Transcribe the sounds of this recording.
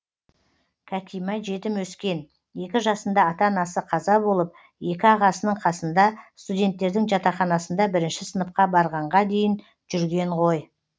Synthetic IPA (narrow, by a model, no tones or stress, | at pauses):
kʲʰæt̪ijmɑʒe̞t̪ɪmwɵskʲe̞n | je̞kʲɪʒɑsənd̪ɑːt̪ɑnɑsəqʰɑzɑbo̞lˠəp̚ | je̞kʲɪɑʁɑsənəɴqʰɑsənd̪ɑst̪udʲe̞nt̪ːe̞ɾd̪ɪŋʒɑt̪ɑχɑnɑsənd̪ɑbɪɾɪnʃɪsənəp̚qɑbɑɾʁɑɴʁɑd̪e̞jɪn | ʒ̥ʏɾɡʲe̞ɴʁo̞j